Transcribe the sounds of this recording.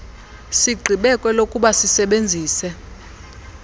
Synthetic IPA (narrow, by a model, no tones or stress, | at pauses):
siɡ͡ǃʱiɓɛkʼwɛlokʼuɓasisɛɓend͡zʱiːsɛ